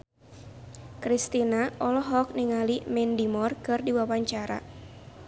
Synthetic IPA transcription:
kɾist̪inaɔlɔɦɔk̚niŋalimɛndimɔrkɨrdiwawaɲt͡ʃaɾa̰

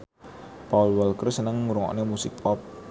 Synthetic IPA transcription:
paulwəlkərsənəŋuɾuŋɔ̰ʔnemusɪk̚pɔp̚

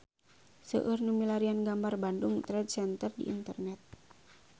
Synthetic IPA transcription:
sə̰ʔɨrnumilaɾianɡambarbanduŋt̪ɾɛd̚sɛnt̪ərdḭʔḭnt̪ərnɛt̪̚

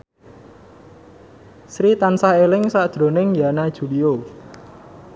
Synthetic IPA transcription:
sɾit̪ansaelɪŋsaʔd̪̥ɾo̤nɪŋjanad̥ʒ̥ṳlio

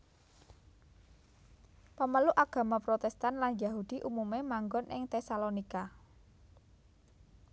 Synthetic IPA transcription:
pəməluʔaɡ̥ä̤mapɾot̪ɛst̪anlanjaɦud̪̥i̤ʔumumemaŋɡɔnʔɪŋt̪esalonika

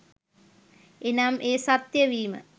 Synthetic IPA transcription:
enamʔeːsat̪jəʋiːmə̰

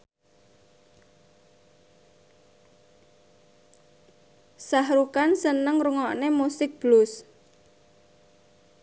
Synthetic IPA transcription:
sahɾukansənəŋruŋɔʔnemusɪk̚b̥lʊs

